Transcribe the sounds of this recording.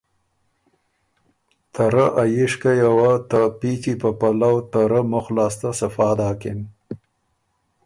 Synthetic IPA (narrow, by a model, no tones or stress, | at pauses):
t̪ʰaɾaʔajɪʂkajawat̪apit͡ʃipəpalawt̪aɾamʊxlɑːst̪asafɑːd̪ɑːkɪm